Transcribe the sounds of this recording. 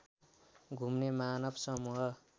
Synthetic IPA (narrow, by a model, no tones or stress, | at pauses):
ɡʱumnemanʌbsʌmuɦʌ